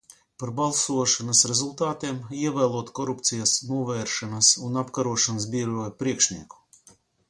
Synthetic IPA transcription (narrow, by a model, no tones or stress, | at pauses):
paɾbalˠsuɔʃanasɾɛzulˠt̪aːt̪iɛmiɛvæːlˠuɔt̪kɔɾupt̪sijasnuɔvɛːɾʃanasunapkaɾuɔʃanasbʲiɛɾuːjpɾiɛkʃniɛku̥